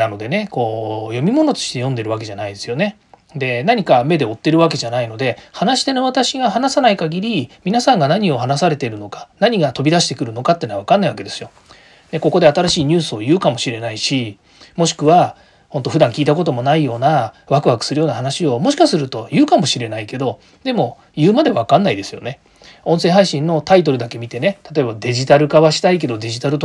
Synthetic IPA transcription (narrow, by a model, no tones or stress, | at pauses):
nano̞d̪e̞ne̞ko̞ːjo̞mʲimo̞no̞t̪o̞̥ɕi̥t̪e̞jõ̞nd̪e̞ɾɯ̟βake̞ʑanaid̪e̞sɨjo̞ne̞ | d̪e̞naɲ̟ikame̞d̪e̞o̞t̪ːe̞ɾɯ̟βak̬e̞ʑanaino̞d̪e̞hanaɕi̥t̪e̞noβat̪aɕiɡahanasanaikaɡʲiɾʲimʲinasãŋɡanaɲ̟io̞ɦanasaɾe̞t̪e̞ɾɯ̟no̞kḁnaɲ̟iɡat̪o̞bʲid̪aɕi̥t̪e̞kɯ̟ɾɯ̟no̞kat̪ːenaβakanːaiβake̞d̪e̞sɨjo̞ | d̪e̞ko̞ko̞d̪e̞at̪aɾaɕiːɲ̟ɨːsɨo̞jɯ̟ːkamo̞ɕiɾe̞naiɕi | mo̞ɕi̥kɯ̟βa | ho̞nt̪oɸɯ̟d̪ãŋkʲiːt̪ako̞t̪o̞mo̞naijo̞ːnaβakɯ̟βakɯ̟̥sɨɾɯ̟jo̞ːnaɦanaɕio̞mo̞ɕi̥kasɨɾɯ̟t̪o̞jɯ̟ːkamo̞ɕiɾe̞naike̞d̪o̞ | d̪e̞mo̞ | jɯ̟ːmad̪e̞βakãnːaid̪e̞sɨjo̞̰ne̞ | õ̞sẽɦaiɕĩnːo̞t̪ait̪o̞ɾɯ̟d̪ake̞mʲit̪e̞ne̞t̪at̪o̞e̞bad̪e̞ʑit̪aɾɯ̟ɡaβaɕi̥t̪aik̬e̞d̪o̞d̪e̞ʑit̪aɾɯ̟t̪o